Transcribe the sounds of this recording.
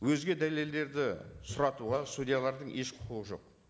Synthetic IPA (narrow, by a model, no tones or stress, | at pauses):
wɵzɡʲed̪æle̞ld̪e̞ɾd̪ɪsʊɾɑt̪uʁɑst̪ud̪ʲijalˠɑɾd̪əɴʔe̞ʃqʰʊ̥quʁəʒo̞̰q